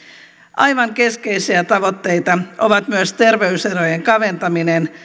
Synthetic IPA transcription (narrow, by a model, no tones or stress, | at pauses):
ʔɑjʋɑŋke̞ske̞jsiæt̪ɑʋo̞t̪ːe̞jt̪ɑʔoʋɑt̪myøst̪e̞rʋe̞yseɾo̞jeŋkɑʋe̞nt̪ɑminen